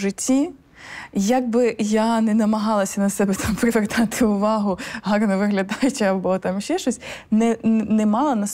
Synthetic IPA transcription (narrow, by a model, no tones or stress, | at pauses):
ʐɪtʲːi | jɐɡ̚bɪjanɛnɐmɐɦɑlˠɐsʲɐnɐsɛbɛt̪ʰɑmpɾɪʋert̪ɑt̪ɪʊʋɑɦʊɦɑrnɐʋɪɦlʲɐd̪ɑjʊt͡ʃɛɐbɔt̪ɑmʃɛʃɔsʲnɛnnɛmɑlˠɐnɐs